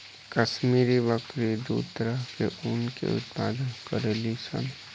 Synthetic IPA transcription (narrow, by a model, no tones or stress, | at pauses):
kəʃmiːɾiʋəkɾid̪ṵːt̪əɾəɦkḛʔunkḛʊ̰t̪paːd̪ənkəɾelisə̰n